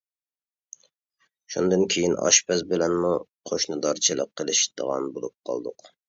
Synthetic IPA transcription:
ʃund̪ɨnkʲʰejinɑ̰ʃpʰɛzbɪlɛnmuqʰoʃnɨd̪ɑɾt͡ʃʰilˠə̰qʰːəlˠɨʃd̪ə̰ʁɑ̰nbolˠup̚qʰɑ̰lˠd̪ʊq

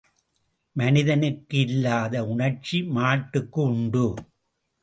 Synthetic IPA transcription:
mɐnɪðɐnɯkːɯɪlːaːðɐʊɳɐɾt͡ʃimaːʈːɯkːɯʊɳɖɯ

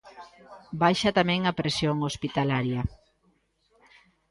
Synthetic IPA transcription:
bajʃɐt̪amɛ̃ŋɐpɾesjoŋospit̪alaɾjɐ

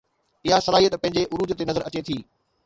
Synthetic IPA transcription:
ɪɦasɐlaːɦijət̪pɐ̃ɦɪ̃ɲ̆d͡ʑeʔʊɾuːd͡ʑt̪enɐzəɾɐt͡ɕet̪ʰiː

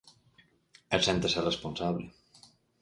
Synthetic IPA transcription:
esɛnt̪eserespunsaβle

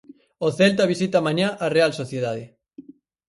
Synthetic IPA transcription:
oθelt̪̬aβisit̪amaɲaʔarealsoθjeðaðe

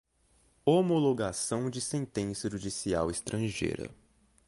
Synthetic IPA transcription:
omoloɡasɐ̃w̃d͡ʒɪsẽnt̪ẽsɐʒud͡ʒisiawɪst̪ɾɐ̃ʒḛjɾɐ̰

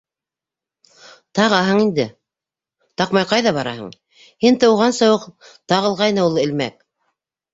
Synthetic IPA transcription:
t̪ɑʁɑɦɤɴind̪ɘ | t̪ɑqmɑjqɑjðɑβɑɾɑ̰ɦɤ̰ɴ | hint̪ɤ̆wʁɑnsɤ̆wɤqt̪ɑʁɤ̆lˠʁɑjnɤulˠɘ̆lmæk

